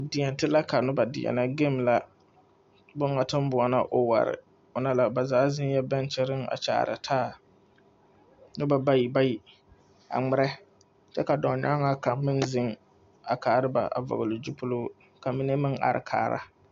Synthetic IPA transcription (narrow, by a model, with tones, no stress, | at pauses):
dɪ˨ɛ˨n˨tɨ˦la˦ka˨nʊ˦ba˨dɪ̰˨ɛ̰˨na˦ɡe˦˨m˨la˦ | bʊ˦ŋa˨tɨ˦m˦bʊ˨a˨na˦ʔʊ˨wa̰˨ɾɪ̰˨ | ʊ˨na˦la˦ba˨zaː˨˦zɪ˦n˦jɛ˦bɛ˦n˦t͡ʃɛ˦ɾɪ˦ŋa̰˨t͡ʃa̰ː˨˦˨ɾɨ̰˨tʰaː˦˨ | nʊ˦ba˨ba˦ji˨ba˦ji˨ | a̰˨ŋ͡mɪ˦ɾɛ˦ | t͡ʃɛ˦ka˨dɔ˨ɲa˦ŋa˦ka˨mɪ˦nzɪ˦ŋ | a˨kaː˨˦˨ɾɨ˦ba̰˨ʔa̰˨vɔ̰˨ɣɨ˨lɨ˨d͡ʒu˦pʊ˦loː˦ | ka˨mi˦ne˦mɪ˦ŋa̰˦ɾɨ̰˨kʰa̰ː˨˦˨ɾa̰˦